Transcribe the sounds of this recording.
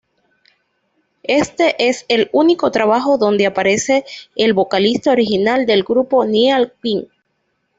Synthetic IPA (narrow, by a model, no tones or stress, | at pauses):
e̞st̪eʔe̞seluniko̞t̪ɾaβaxo̞ðo̞nd̪eapaɾe̞se̞ːlβo̞kalist̪ao̞ɾixinald̪e̞lɡɾupo̞niealkiŋ